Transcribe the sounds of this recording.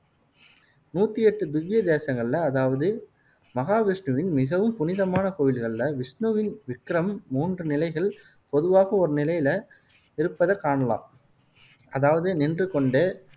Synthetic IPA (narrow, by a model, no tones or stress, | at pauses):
nuːt̪ːiɛʈːɯd̪ɪʋːɪjɐd̪eːsɐŋɡɐɭɪlɐːðaːʋɐðɯ | mɐɣaːʋɪʂɳɯʋɪnmɪɣɐʋɯmpʊnɪðɐmaːnɐkoːʋɪlɣɐɭɪlɐʋɪʂnuʋɪnʋɪkːɾɐmːuːndrɯnɪlɐɪɣɐɭ | pɔðɯʋaːɣɐɔɾɯnɪlɐjɪlɐ | ɪɾɯpːɐðɐkaːɳɐla̰ːm | ɐðaːʋɐðɯnɪndrɯkɔɳɖeː